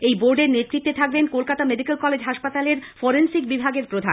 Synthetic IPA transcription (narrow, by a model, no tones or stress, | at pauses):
ejboɾɖeɾnet̪ːɾit̪ːet̪ʰak̚benkolkat̪ameɖikelkɔled͡ʑɦaʃpat̪aleɾfoɾensikbibʱaɡeɾpɾod̪ʱa